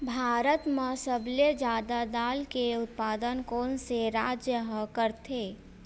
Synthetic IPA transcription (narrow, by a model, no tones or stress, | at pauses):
bʱaːɾət̪mẽsəbled͡ʒaːd̪ad̪aːlkeʊt̪̚paːd̪ənkɔːnseɾaːd͡ʒjəɦkəɾt̪ʰeː